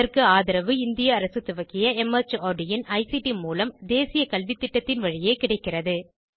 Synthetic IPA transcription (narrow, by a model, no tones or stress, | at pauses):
ɐrkɯaːðɪɾɐʋɯɪnd̪ɪjɐːɾɐsɯt̪ːʊʋɐkɪjɐɛmɐt͡ʃoːɖɪjɐnɐɪsiʈimuːlɐmd̪eːsɪjɐkɐlʋɪt̪ːɪʈːɐt̪ːɪnʋɐɻɪjeːkɪɽɐɪkːɪrɐðɯ